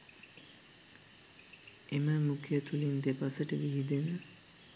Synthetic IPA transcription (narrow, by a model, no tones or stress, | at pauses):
eməmukʰeːt̪ʰulind̪epasəʈəʋiɦid̪enə